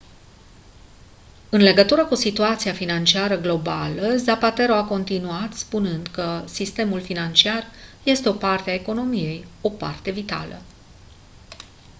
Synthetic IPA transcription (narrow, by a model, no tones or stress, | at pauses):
ɨnle̞ɡət̪uɾəkusit̪uat̪siafinant͡ʃiaɾəɡlo̞baləzapat̪e̞ɾo̞ako̞nt̪inuat̪spunɨnd̪kəsist̪e̞mulfinant͡ʃiarje̞st̪eo̞part̪eaeko̞no̞mije̞jo̞pa̰rt̪e̞vit̪a̰lə̰